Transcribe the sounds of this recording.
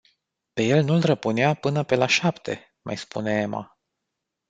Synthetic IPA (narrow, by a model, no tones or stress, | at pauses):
peje̞lnulrəpuneapɨnəpe̞laʃapt̪ʰe̞̰ | mʔa̰jspṵne̞ema̰